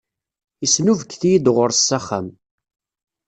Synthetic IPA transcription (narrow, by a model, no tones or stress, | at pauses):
isnuvəkːθijid̪ʁʊɾsːaχa̰m